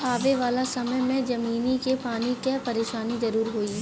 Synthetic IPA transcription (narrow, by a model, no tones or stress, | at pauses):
aːʋeʋaːlasɐməjmẽd͡ʒɐmiːnikepaːnikɛpɐɾeːʃaːnizɐɾuːɾɦoːi